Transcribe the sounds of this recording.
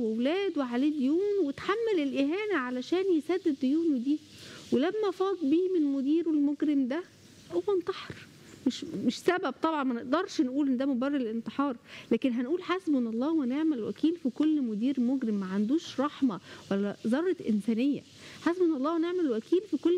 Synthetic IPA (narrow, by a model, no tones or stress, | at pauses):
wewlæːd̪weʕaleːd̪ojuːnwet̪ħamːælelʔeɦæːnæʕalæʃæːnjesæd̪ːed̪ːojuːnud̪iː | welæmːæfɑːd̪ˤbiːmenmod̪iːɾelmoɡɾemd̪æ | howːænt̪ˤɑħeɾ | meʃmeʃsæbæb̚t̪ˤɑbʕɑnmæneʔd̪ɑɾˤʃnʔuːlʔenːd̪æmobærˤːelʔent̪ˤeħɑːɾˤlæːkenɦænʔuːlħasbʔenʔɑlˤːɑːwæneʕmælwæ̰kiːlfikolːmod̪iːɾmoɡɾemːæʕand̪uːʃɾˤɑħmæwælːæzˤɑɾˤːɑʔensæːnejːæ̰ | ħasbʔenːʔɑlˤːɑːhwæneʕmælwækiːlfikolː